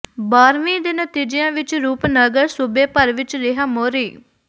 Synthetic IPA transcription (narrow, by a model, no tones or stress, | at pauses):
baːɾʋĩːd̪eːnət̪iːd͡ʒɪjãːʋɪt͡ʃɾuːpnəɡəɾsubeːpəɾʋɪt͡ʃɾɪɦəmoːɾiː